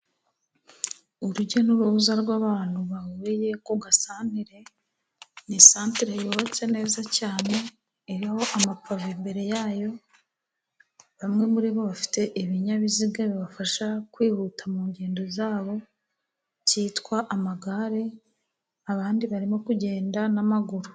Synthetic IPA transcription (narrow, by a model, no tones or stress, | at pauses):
uɾuɟonuɾuβuzaɾɡwaːβaːn̥huβaβuβije̞koɡasaːn̥iɾe̞ | nisaːntiɾejoːβot͡se̞ne̞ːzacaːne̞ː | ɾiho̞ʔamapavimbe̞ɾe̞jaːjo̞ | βamŋe̞muɾiβo̞βafi̥te̞ʔiβiɲaβiziɡaβiβafaʃakwiːhutamuɲɟe̞ːndo̞zaːβo̞ | ciːtkwaʔamaɡaɾe̞ | aβaːndiβaɾimo̞kuɟe̞ːndanamaɡuɾu